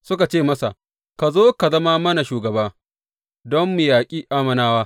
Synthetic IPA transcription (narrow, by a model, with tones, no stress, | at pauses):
sʊ˦ka˨t͡ʃeː˦˨mɐ˦sa̰˨ | ka˨zoː˦ka˨zɐ˦ma˦mɐ˦na˨ʃuː˨ɡɐ˨baː˦ | dɔ˦mːʊ˨jaː˨kʲʼiː˦ʔaː˦mɐ˨naː˦waː˦